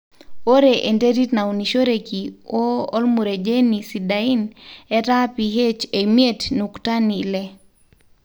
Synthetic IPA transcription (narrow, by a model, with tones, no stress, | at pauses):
o˦ɾeʔe˨nte˦ɾi˦tna˨u˨ni˨ʃo˦ɾe˨ki˨o˦lmu˨ɾe˨d͡ʒe˦nisi˨dai˦nɛ˦ta˦pi˨ɦe˦t͡ʃe˨mje˦tnukta˦ni˨lɛ˦